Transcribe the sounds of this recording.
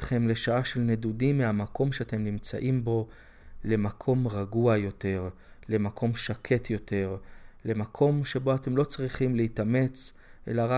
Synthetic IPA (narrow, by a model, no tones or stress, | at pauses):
tχe̞mle̞ʃaaʃe̞lnedudimːehamako̞mʃeate̞mnimt͡saʔimbo̞ | le̞makʰo̞mʁaɡuajo̞te̞ʁ | le̞makʰo̞mʃakʰe̞t̪ʰjo̞tʰe̞ʁle̞makʰo̞mʃe̞bo̞ate̞mlo̞t͡sʁiχimleitame̞t͡s | ʔe̞̰laʁa